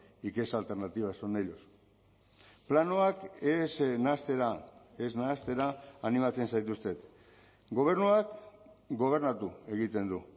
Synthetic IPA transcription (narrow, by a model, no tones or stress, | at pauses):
ike̞salt̪eɾnat̪iβasonejʎos | planoakesnast̪eɾaeznaːst̪e̞ɾaːnimat͡se̞nsajt̪ust̪e̞t̪ | ɡo̞β̞e̞ɾnuakɡo̞β̞e̞ɾnat̪ue̞ɣit̪e̞nd̪u